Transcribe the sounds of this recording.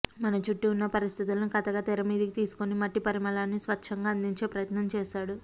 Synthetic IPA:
mɐnɐt͡ʃuʈːiunːɐpɐɾist̪ʰit̪ulɐnukɐt̪ɐɡaːt̪ɛɾɐmiːd̪ikit̪iːsu̥konimɐʈːipɐɾimɐlaːnːisʋɐʂʰɐŋɡaːɐnd̪iɲt͡ʃe̞ːpɾɐjɐt̪nɐmt͡ʃɛːʃaːɽu

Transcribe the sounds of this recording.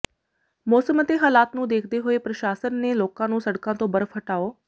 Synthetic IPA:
mɔːsəmt̪eɦaːlaːt̪nũːd̪eːkʰd̪eɦʊepɾɐʃaːsənːeloːkãnũːsɐɽkãt̪õbɐɾəfɐʈaːoː

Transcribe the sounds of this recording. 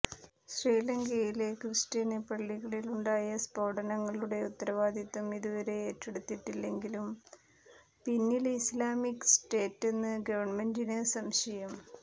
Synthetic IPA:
sreːlɐŋɡejilekrɨstɐnepːɐɭːiɣɐɭiluɳɖaːjɐspo̞ːɽɐnɐŋːɐɭuɽe̞ut̪ːɐɾɐʋaːd̪ʱit̪ːɐmiðuʋɐɾe̞eːtːeɽut̪ːiʈːilːe̞ŋɡilum | pinːilislaːmikːsʈe̞ːtːe̞nːɨɡɐʋɐɳmendinɨsɐmɕɐjɐm

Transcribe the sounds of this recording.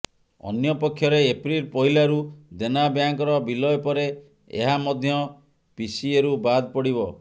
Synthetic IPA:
ɔ̰njɔpɔkʰːjɔɾeːpɾilpɔɦilaɾud̪enabjaŋkɔɾɔbilɔjɔpɔɾe | ḛɦamɔd̪ʱjɔ | pisieɾubad̪pɔɽiβɔ

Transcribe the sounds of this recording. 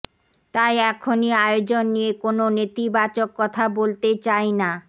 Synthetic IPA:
t̪ajɛkʰoniajod͡ʑonːijekononet̪ibat͡ɕokːɔt̪ʰabolt̪et͡ɕajna

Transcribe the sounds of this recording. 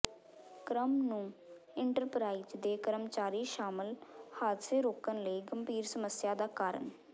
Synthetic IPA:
kɾəmnũː | ɪɳʈəɾpɾaːizd̪eːkəɾəmt͡ʃaːɾiːʃaːmɪlhaːd̪seːɾoːkənləiːɡəmbʱiːɾsəməsjaːd̪aːkaːɾə̰ɳ

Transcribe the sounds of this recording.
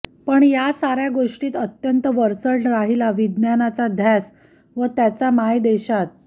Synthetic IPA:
pəɳjasaɾjaɡoʂʈiːt̪ət̪jənt̪əʋəɾt͡səʈɾaɦilaʋid̪njanat͡sad̪ʱjas | ʋət̪jat͡samajd̪eɕat̪̚

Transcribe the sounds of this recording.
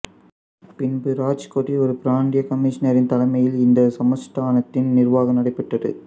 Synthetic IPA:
pɪnbɯɾaːt͡ʃkoʈːiɔɾɯpɪɾaːɳɖɪjɐkɐmiʂɐnɐɾɪnt̪ɐlɐmɐjɪlɪnd̪ɐsɐmɐsʈaːnɐt̪ːɪnnɪrʋaːɣɐnɐɽɐɪpːɛʈrɐðɯ̰

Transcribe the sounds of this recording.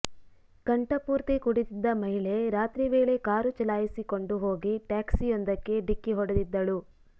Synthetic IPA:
kɐɳʈɐpuːɾt̪ikuɽit̪id̪ːɐmɐɦiɭe̞ɾaːt̪ɾiʋe̞ːɭe̞kaːɾut͡ʃɐlaːjisiko̞ɳɖuɦo̞ːɡiʈaːksijond̪ɐkːe̞ɖikːiɦɔɽɐd̪id̪ːɐɭu

